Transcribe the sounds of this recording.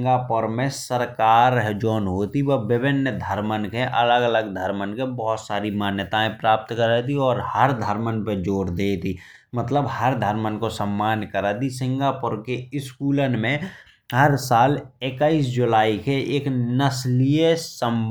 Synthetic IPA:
ŋɡapʊɾmẽsəɾkaːɾɦd͡ʒɔːnɦoːt̪iʋəʋɪbɪnjəd̪ʱəɾmənkeʔələɡələɡd̪ʱəɾmənkebɔɦʊt̪saːɾimaːnjət̪aẽpɾaːp̚t̪kəɾət̪iɔːɾhəɾd̪ʱəɾmənpəd͡ʒoːɾd̪eːt̪i | mət̪ləbhəɾd̪ʱəɾmənkosəmːaːnkəɾat̪isɪ̃ŋɡapʊɾkeɪskuːlənmẽ | ɦəɾsaːlekaːiːsd͡ʒʊlaːikeʔeːknəsliesəm

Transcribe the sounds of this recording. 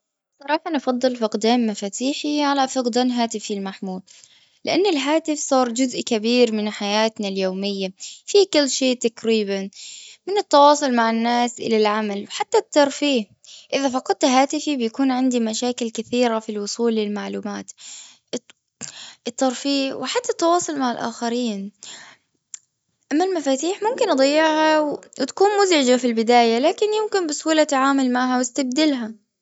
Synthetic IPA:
sˤːɑɾˤɑːħanɑfɑd̪ˤːɨlfɪqd̪aːmːafaːt̪iːħiʕalafɑqd̪anɦaːt̪ɪfilmaħmuːl | lɪʔanːɪlɦaːt̪ɪfsˤɑːɾˤd͡ʒʊzʔkabiːɾmɪnħajaːt̪naljoːmɪjːafikɪlːʃeːʔt̪akɾiːbanmɪnɪt̪ːɑwɑːsˤʊlmaʕɪnːaːsʔɪ̰lalʕamalwħat̪ːat̪ːɑɾˤfiːh | ʔɪðafɑqɑd̪̚t̪ɦaːt̪ɪfibjakuːnʕɪnd̪imaʃaːkɪlkɪθiːɾafilwʊsˤuːlːɪlmaʕluːmaːt̪ | ʔɪt̪ːɑɾˤfiːʔwɪħat̪ːat̪ːɑwɑːsˤʊlmaʕɪlʔa̰ːxaɾiːn | ʔamːalmafaːt̪iːħmʊmkɪnʔɑd̪ˤɑjːɪʕhawwɪt̪ḁkuːnmʊzʕɪd͡ʒafilbɪd̪aːjalaːkɪnjɪmkɪnbɪshuːlat̪ʕaːmʊlmaʕɦawɪst̪ab̚d̪ɪlɦa

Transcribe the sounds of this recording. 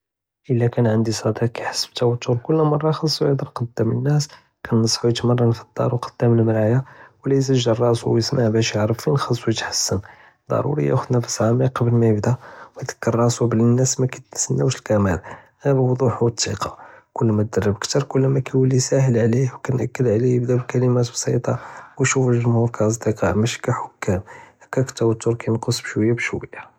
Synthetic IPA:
ʔəlːækænʕənd̪isˤɑd̪iqkæjħḁsːə̥b̚t̪æwət̪ːuɾkʊlːmɑrˤːɑxɑsˤːujəd̪əɾqɑd̪ːæmənːæs | kʰænːəsˤːħujət̪mərˤːɑnfəd̪̥ːɑ̰ɾˤwqɑ̥d̪̥ːæməlməɾaʕjawlæjs̬əʒːəɾˤːɑsuwjəsmaʕbæʃjəʕɾəfinxɑsˤːwjət̪ħə̥sːən | d̪̥ˤɑ̰ɾṵɾḭjæ̰xʊd̪næfə̥sʕamiqɑbəlmæjəbd̪æwjd̪ə̥kːərˤːɑsublənːæsmækæsənːæwʃəlkæmæl | bəwd̪ˤuħut̪ːiqɑkʊlːmæt̪̚d̪ərːəbəkt̪ɑɾˤkʊlːmækæwəlːisæɦəlʕlihwkænʔækːəd̪ʕlijəbd̪æblkæləmæt̪bsˤḭt̪ˤɑwjʃufəlʒmhuɾkæʔɑs̬ˤd̪iqɑʔmæʃi̥kæħʊkːæmækːækt̪ːæwæt̪ːʊɾkæjnqosˤbʃwəjːabʃwəjːa

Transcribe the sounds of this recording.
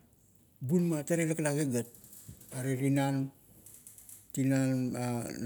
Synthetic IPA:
bunmataɾeɾeklaɡeɡat̚ | aɾeɾinan | tinana

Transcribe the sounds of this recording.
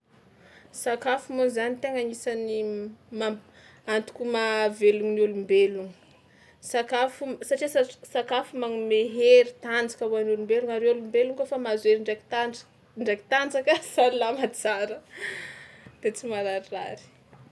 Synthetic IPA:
sakafumunzanit̪eŋaŋisanima | ant̪u̥kʲumaveluŋnulumbeluŋ | sakafusaʈ͡ʂisasakafumaŋumeɦeɾit̪and͡zḁkawuanulumbeluŋaɾeulumbeluŋkofamazueɾiɳɖ͡ʐeki̥t̪ḁ | ɳɖ͡ʐeki̥t̪and͡zakəsanilamat͡saɾə | d̪̥et͡simaɾaɾiraɾi̥

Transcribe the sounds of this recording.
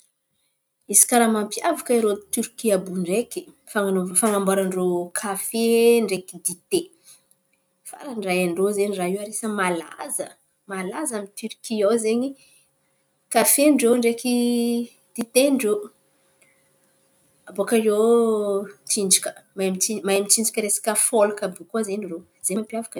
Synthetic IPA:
isi̥kaɾamampjavakəiɾot̪yɾkiabuɳɖ͡ʐeki̥ | faŋfaŋambaɾaɳɖ͡ʐokʰafeɳɖ͡ʐekid̪it̪e | fa̰ɾanrajaɳɖ͡ʐozeɲiraiwaɾesəmalazə | malazamit̪yɾkiawzeɲi | kafeɳɖ͡ʐeɳɖ͡ʐeki | d̪̥it̪eɳɖ͡ʐe | abokaro | t͡ʃind͡ʒikə̥majmit͡ʃimajmit͡ʃind͡ʒikʲəɾesḁkʲəfolukabukuazeɲiro | z̥emampjavḁkə

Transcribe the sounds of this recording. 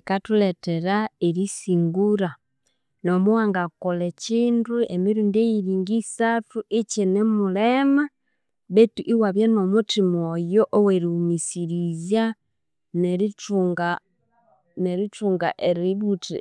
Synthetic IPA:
katuleteɾaeɾisiŋɡuɾa | nomuwaːŋɡakoleciːnduemiɾundejiɾiːŋɡisatuʔicenemulema | βetuʔiwaβjanomutimojoʔoweɾimisiɾizja | neɾituŋɡa | neɾituːŋɡa̰ʔeɾiβutḭ

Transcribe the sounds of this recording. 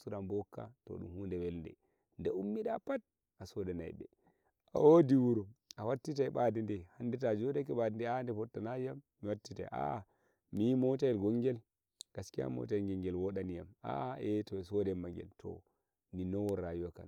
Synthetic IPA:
suɾambɔkːa̰tɔ̰ɗṵmhundɛwɛlndɛ̰ | ndɛumːiɗapat̚ | ʔasɔdɛna̰jɗɛ̰ | awodiwuɾɔawatːitajɓadindɛhandɛtad͡ʒɔdakɛɓadindɛandɛfɔtːanajamːiwatːita̰jʔa̰ | mijimɔtajɛlɡɔŋɡɛl | ɡ̥askia̰mɔ̰talɡɛŋɡɛlwɔɗanijama̰ɛtɔsɔdɛmːaŋɡɛ̰ltʰɔ̰ | ninɔwɔːajuwaka̰n

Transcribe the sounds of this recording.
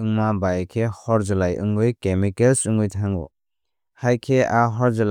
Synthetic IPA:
ɯŋmabajkʰehɔɾzɯlajʔɯ̰ŋɯjkemikelsuŋɯjtʰaŋɔ̰ | hajkʰeaɦɔɾzɯl

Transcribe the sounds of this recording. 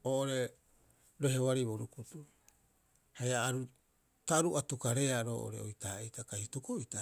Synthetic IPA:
oːʔoɾe | ɾoɦewaɾiβoɾukutu | hajaːɾu | taɾuʔatukaɾe̞aɾo̰ːʔo̰ɾe̞̰o̰jtaetakajhutukoita

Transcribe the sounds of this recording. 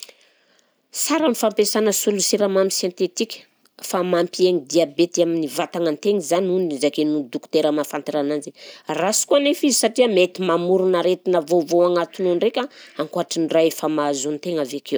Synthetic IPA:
saɾanifampesanəsulusiɾamamisjent̪et̪ikʲə̥ | famampieŋid̪iabet̪iaminivat̪aŋant̪eŋizanunnizakenud̪uku̥t̪eɾəmafant̪iɾananzerasi̥kuanefizisaʈ͡ʂiəmet̪imamuɾunaɾet̪inavovoaŋat̪ununrekʲaaŋkuaʈ͡ʂinraefəmazunt̪eŋavekʰew

